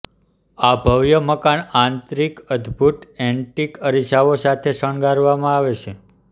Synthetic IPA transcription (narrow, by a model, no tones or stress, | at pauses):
abʱəʋjəməkaɳãnt̪ɾikəd̪ʱbʱut̪ɛ̃ɳʈikəɾisaʋosat̪ʰesəɳɡaɾʋamãaʋet͡ʃʰe